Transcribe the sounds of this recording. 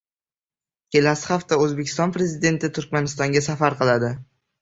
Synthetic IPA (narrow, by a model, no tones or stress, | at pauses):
kʲʰe̞lasɪ̥χaft̪aɵzbekʲʰɪ̥st̪ɒnpɾe̞zɪd̪e̞nt̪ʰɪt̪ʰʊɾkʲmanɪst̪ɒŋɡʲasafaɾqɨlˠad̪ɪ